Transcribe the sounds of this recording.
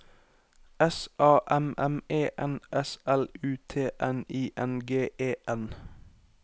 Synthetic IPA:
ɛsʔɑːʔɛmɛmeːʔɛnʔɛsɛlʉːt̪ʰeːʔɛniːʔɛnɡeːʔeːʔɛn

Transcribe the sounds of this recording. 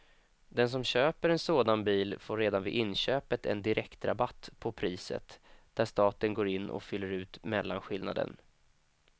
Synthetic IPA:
d̪ɛns̬ɔmɕøːpəɾɛnsoːd̪anbiːlfoːɾeːd̪anvɪ̰ʔɪnːɕøːpət̪ʰɛ̰nd̪ɪɾʔɛkt̪ɾa̰bat̪ːpʰɔpʰɾiːsə̰t̪d̪̥æʂt̪ɑːt̪ənɡoːɾɪnːʔɔ̰fʏlːəɾʉ̟ːt̪mɛlːanɧɪlna̰d̪ə̰n

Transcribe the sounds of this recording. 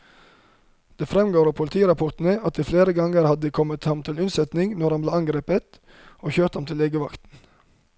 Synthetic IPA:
d̪̥eːfɾɛmɡoːɾpʰʊlt̪ʰiːɾɑpʰɔt̪n̩əɑt̪̚d̪iːfleːɾəɡɑŋəɾhɑd̪əd̪iːkʰɔmət̪hɑmt̪ʰɪlʉnsɛt̪nɪŋnɔɾhɑnbleːɑŋɡɾeːpət̪ | oːçøːɾt̪hɑmt̪ʰɪleːɡəʋɑkt̪n̩

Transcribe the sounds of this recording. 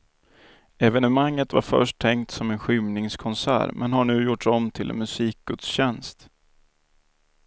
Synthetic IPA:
ɛvɛnəmaŋːət̪va̰ɾfœ̰ʂʈt̪ʰːɛŋkt̪sɔmɛnɧʏmnɪŋskʰɔnsæ̰ːɾmʔɛnɦaɳʉ̟ːjʊʈʂɔmt̪ʰɪlɛ̰nmɵsiːk̚ɡ̥ɵt̪sɕɛnst̪

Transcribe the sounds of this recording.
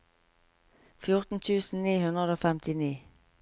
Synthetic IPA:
fjʊʁt̪n̩t̪ʰʉːsn̩niːhʉnʁəd̪oːfɛmt̪ʰɪniː

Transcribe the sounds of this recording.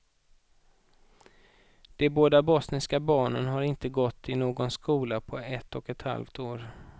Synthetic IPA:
d̪̥ɛboːd̪abɔsnɪskabɑːɳə̰nɦaɾɪnt̪əɡɔt̪ʰːɪnoːɡɔnskuːlapʰɔɛt̪ːɔkɛt̪ha̰lft̪oːɾ

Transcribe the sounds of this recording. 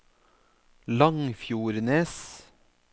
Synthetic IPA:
lɑŋfjuːɾneːs

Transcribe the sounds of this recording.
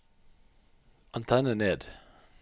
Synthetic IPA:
ʔɑnt̪ʰɛnəneːd̪

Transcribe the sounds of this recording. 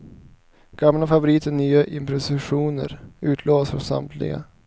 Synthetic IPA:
ɡ̥amlafavʊɾiːt̪əɳnyːaʔɪmpɾɛsɪɧuːnə̰ɾʉ̟ːt̪ʰloːsɾɔ̰sa̰mt̪ʰlɪ̰ɡa̰

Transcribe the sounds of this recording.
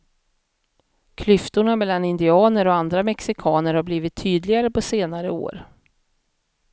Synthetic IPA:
kʰlʏft̪ʊɳamɛlːanɪnd̪ɪɑːnəɾɔand̪ɾamɛksɪkʰɑːnəɾhaɾbliːvɪt̪ʰːyːd̪lɪɡaɾəpʰɔseːnaɾəo̰ːɾ

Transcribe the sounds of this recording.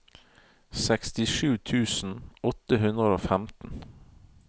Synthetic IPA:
sɛkst̪ɪʃʉːt̪ʰʉːsn̩ɔt̪əɦʉnəoːfæmt̪n̩

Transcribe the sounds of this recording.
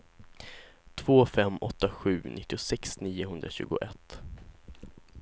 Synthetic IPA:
t̪ʰv̥oːfɛmːɔt̪ːaɧʉ̟ːnʔɪt̪ːɪʊsɛksniːʊɦɵnd̪ɾaɕʉ̟ːɡʊ̰ʔɛt̪ː

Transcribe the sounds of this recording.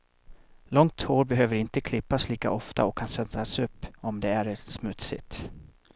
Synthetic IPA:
lɔŋt̪hoːɾbɛɦøːvəɾɪnt̪əkʰlɪpːasliːka̰ʔɔft̪a̰ɔkʰːansɛnd̪ɾasɵpːɔmd̪ɛæɾsmɵt̪sɪ̰t̪

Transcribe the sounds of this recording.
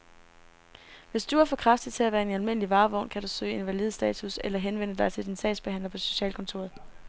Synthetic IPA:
ʋe̝sd̥uæɐfɒ̽kʰʁɑ̈fd̥ð̥ˠt͡sʰe̝læʋæːɐe̝nælme̝n̰əliʋɑ̈ːʋɒ̽ʊnkʰæɾ̥usø̰ːe̝nʋælið̞̩ˠsd̥ɛ̰ːt͡sʰuselɐɦenʋen̰əd̥ɑ̈ɪt͡sʰe̝d̥insɛ̰ːd̥sb̥e̝hæn̰lɐpʰɒ̽so̝̥ɕɛ̰ːlkʰɔ̽nt͡sʰo̝̰ɐðˠ

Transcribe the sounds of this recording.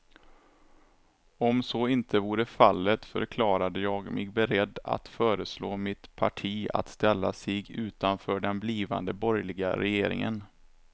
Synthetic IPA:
ɔmsɔɪnt̪ʰəvuːɾəfalːət̪fœ̰ɾkʰlɑːɾad̪əjɑːɡmʔɛɡbɛɾɛd̪ːa̰t̪fœːɾəsloːmɪt̪pʰaʈʰiːa̰t̪st̪ɛlːasɪɡʉ̟ːt̪anfœːɖɛnbliːva̰nd̪əbɔɾjlɪɡa̰ɾɛjeːɾɪ̰ŋə̰n

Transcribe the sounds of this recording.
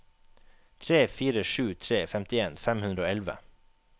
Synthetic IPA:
t̪ʰɾeːfiːɾəʃʉːt̪ʰɾeːfɛmt̪ɪeːnfɛmhʉnɾəoːɛlʋə̰

